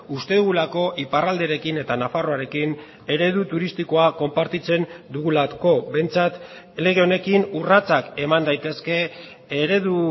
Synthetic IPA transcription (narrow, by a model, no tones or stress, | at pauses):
ust̪e̞ðuɣulako̞ʔiparald̪e̞ɾe̞kine̞t̪anafaro̞aɾe̞kin | e̞ɾe̞ð̞ut̪uɾist̪iko̞ako̞mpaɾt̪it͡se̞nd̪uɣulako̞be̞jnt͡sat̪ | le̞ɣ̞e̞o̞ne̞kinurat͡sake̞mand̪ajt̪e̞ske̞ː | ɾe̞ðu